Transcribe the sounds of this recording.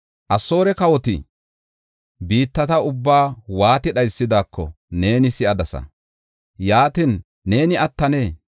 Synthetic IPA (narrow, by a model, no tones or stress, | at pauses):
ʔɐso̞ːɾɛkɐwɔt̪ɪ̰ | biːt̪ːɐt̪ɐʊbːaːwaːt̪ɪɗɐjsːɪd̪aːkːɔ̰ | ne̞ːnɪsɪɐd̪ɐsɐ̰ | jaːt̪inː | e̞ːnɪʔɐt̪ːɐneː